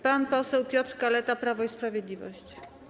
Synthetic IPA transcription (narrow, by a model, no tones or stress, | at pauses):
panpɔsɛwpʲjɔt̪ɾkalɛt̪apɾavɔispɾavʲjɛd̪lʲivɔ̰ɕt͡ɕ